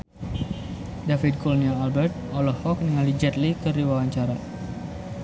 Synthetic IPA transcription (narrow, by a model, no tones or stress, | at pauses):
dafit̪̚kɔlniaːlbɛrt̪̚ɔlɔhɔk̚niŋalid͡ʒɛt̪likərɾiwawaɲt͡ʃaɾa